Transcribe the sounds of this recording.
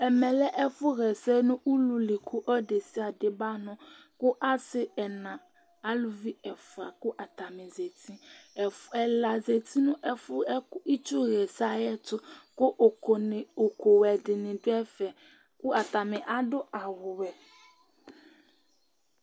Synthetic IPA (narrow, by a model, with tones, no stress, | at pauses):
ɛ˨mɛ̃˨lɛ˦ʔɛ˦fʊ˦ɣɛ˨sɛ˦nʊ̃˦ʔu˦lu˨lɪ˨kʰu˦ʔɔ˦de˨sɪ˦a˨dɪ˨ba˦nɔ̃˦ | kʊ˦ʔa˦sɪ˦ɛ˨nã˨ | a˦lʊ˨vi˦ɛ˨fa˨kʊ˦ʔa˨t̪a˨mɪ̃˨ze˨t̪ʰĩ˦˨ | ɛ˨la˨ze˨t̪ʰi˦nʊ̃˦ʔɛ˦fʊ˦kʊ˦i˦t͡ʃu˦ɣɛ˨sa˦jɛ˦t̪ʊ˦kʊ˦ʔn˨o˨ko˨wɛ˨dɪ˨nɪ̃˨dʊ˦ɛ˦fɛ˨ | kʊ˦a˨t̪a˨mɪ̃˨ʔa˦dʊ˦a˨wʊ˨wɛ˨